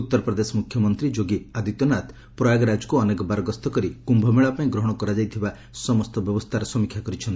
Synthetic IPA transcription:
ut̪ːɔɾɔpɾɔd̪esɔmukʰjɔmɔnt̪ɾid͡ʒoɡiad̪it̪ɔnat̪ʰ | pɾɔjaɡɔɾad͡ʒɔkuɔnekɔbaɾɔɡɔst̪ɔkɔɾikumbʱɔmeɭapaĩɡɾɔɦɔɽ̃ɔkɔɾad͡ʒajt̪ʰiba | sɔmɔst̪ɔbjɔbɔst̪ʰaɾɔsɔmikʰjakɔɾit͡ʃʰɔnt̪i̥

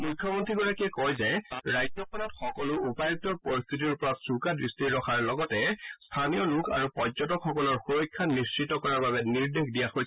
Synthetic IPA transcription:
mujkʰːɔmontɹiɡɔɹakiɛkɔjzɛɹajd͡ʒɔkɔnɔtxɔkɔlʊupaj̚tɔɹpɔɹist̪ʰit̬iɹupɔɹatsukadɹistiɹːɔxʰaɹlɔɡɔtɛstʰanijɔlukʰa̰ɹupɔzɔtɔkxɔkɔlɔɹxuɹɔjkʰːanːistɹitːɔkɔɹaɹbabɛniɹdexdijaxojʰ

